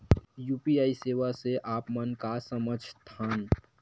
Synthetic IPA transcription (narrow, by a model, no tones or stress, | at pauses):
jupiaːiseːʋaseʔaːpmənkasəməd͡ʒʱst̪ʰaːn